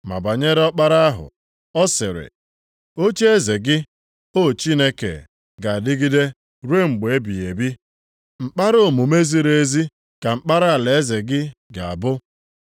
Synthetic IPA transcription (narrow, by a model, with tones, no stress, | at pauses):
ma̰˨ba˨ɲe˦ɾɔ˦k͡pa˦ɾa˦a˦ɦʊ̰˨ | ɔ˦sɪ˨ɾɪ̰˨ | o˦t͡ʃe˦e˦ze˨ɡɪ˦ | o˦˨t͡ʃi˦ne˦kḛ˨ | ɡa˨a˨dɪ˦ɡɪ˦de˦ | ɾu˦e˦ŋ͡m̩˨ɡ͡be˨e˦bi˨e˨bi˦ | ŋ͡m̩˨k͡pa˦ɾo˦˨mu˨me˦zi˦ɾe˨e˦zi˦ | ka˨ŋ͡m̩˦k͡pa˦ɾa˦a˨le˨e˦ze˨ɡɪ˦ɡa˨a̰˨bʊ˦